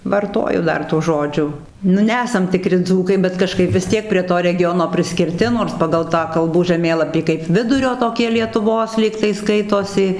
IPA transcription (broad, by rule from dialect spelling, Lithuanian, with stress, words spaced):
ʋɐrˈtoːjʊ ˈdɐr tuː ˈʒoːd͡ʒʲuː nʊ ˈnʲæːsɐm tʲɪˈkrʲɪ ˈd͡zuːkɐɪ bʲɛt kɐˈʃkɐɪp ʋʲɪs ˈtʲiɛk pʲrʲiɛ ˈtoː rʲɛˈɡʲoːnoː pʲrʲɪsʲkʲɪrʲˈtʲɪ noːrs ˈpɑːɡɐlˠ ˈtɑː kɐlˠˈbuː ʒɐˈmʲeːlˠɐpʲiː kɐɪp ˈʋʲɪdʊrʲoː toːˈkʲiɛ lʲiɛtʊˈʋoːs ˈlʲiːktɐɪ ˈskɐɪtoːsʲɪ